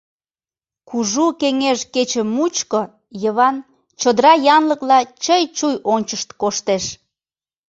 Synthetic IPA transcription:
kuʒukeŋeʃket͡ɕə̆mːut͡ɕko | jəβɑn | t͡ɕod̪əɾɑjɑnləklɑt͡ɕəjt͡ɕujonʲt͡ɕəʃt̪koʃt̪eʃ

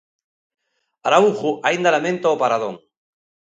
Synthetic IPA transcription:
aɾauxuʔaind̪alamẽnt̪aopaɾaðõ̰ŋ

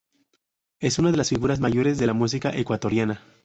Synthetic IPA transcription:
e̞sunað̞e̞lasfiɣuɾazmaʝo̞ɾe̞zðe̞lamus̬ikaʔe̞kwat̪o̞ɾjana

